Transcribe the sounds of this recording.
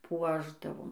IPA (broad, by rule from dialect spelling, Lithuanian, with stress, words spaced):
ˈpuɔʒdɐʋoːm